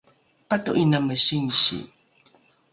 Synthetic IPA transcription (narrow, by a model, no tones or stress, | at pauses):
katoʔinaməɕiŋɕḭ